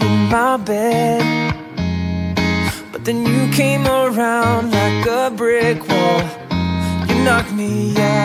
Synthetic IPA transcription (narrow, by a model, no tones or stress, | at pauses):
ɨ̃nmaɪbɛd̥ | b̥ʌt̪̚ðɨ̃njɨkʰẽɪ̃mə˞ãʊ̃ndlaɪkəbɹɪkʰwɔlˠ | jɨnɑk̚mijæ